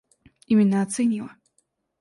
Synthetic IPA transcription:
imʲinːaːt̪sɛnʲilˠɐ

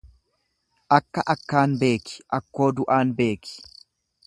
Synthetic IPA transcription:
ʔɐkːɐʔɐkːaːnbe̞ːkɪ̥ʔɐkːo̞ːd̪ʊʔaːnbe̞ːkɪ̥

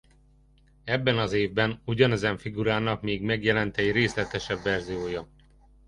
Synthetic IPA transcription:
ɛbːɛnɒzeːvbɛnuɟɒnɛzɛɱfiɡuɾaːnɒkmeːɡmɛɡjɛlɛnt̪ɛɟreːslɛt̪ɛʃɛbːɛrzijoːjɒ

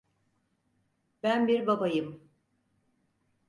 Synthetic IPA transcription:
bænbiɾbabajɯm

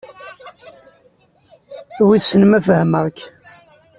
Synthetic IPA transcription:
wisːənəmæfəhəməʁk

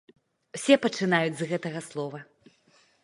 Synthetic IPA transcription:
wsʲɛpɐt͡ʂɨnajud͡zʲzɣɛt̪ɐɣɐslˠɔvɐ

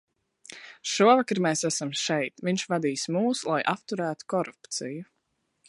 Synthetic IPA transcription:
ʃuɔvakɾmɛːsæsamʃɛjt̪viɲʲʃvad̪iːsmuːslˠajʔapt̪uɾæːt̪u̥kɔɾupt̪siju

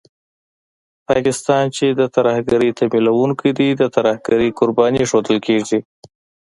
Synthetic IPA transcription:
pɑkɪst̪ɑnt͡ʃed̪ət̪aɾahɡaɾit̪ʰamilawuŋkid̪id̪ət̪aɾahɡaɾikʊɾbɑniʂod̪əlkeʐi

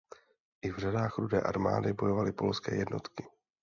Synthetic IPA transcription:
ʔɪvr̝adaːxɾudɛːʔaɾma̰ːdɪbo̞jo̞valɪpo̞lskɛ̰ːjɛdno̞̰t̪kɪ

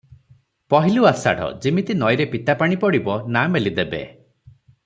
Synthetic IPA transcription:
pɔɦiluasa̰ɽ̤ɔ̰d͡ʒimit̪inɔjɾepit̪apaɽ̃ipɔɽibɔnamelid̪ebḛ

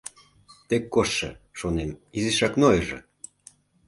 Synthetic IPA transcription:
t̪ekːoʃːə̰ʃonemiziʃɑknojəʒḛ

